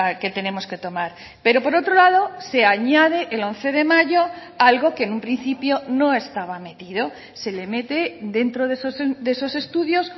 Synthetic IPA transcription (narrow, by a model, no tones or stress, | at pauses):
ke̞t̪e̞ne̞mo̞ske̞t̪o̞maɾ | pe̞ɾo̞po̞ɾo̞t̪ɾolaðo̞se̞aɲað̞e̞ʔelõ̞n̟θe̞ð̞e̞maʝo | alɣo̞ke̞nũmpɾin̟θipjo̞nõ̞e̞st̪aβ̞ame̞t̪iðo̞ | se̞le̞me̞t̪e̞d̪e̞nt̪ɾoðesosd̪eso̞se̞st̪uðjo̞s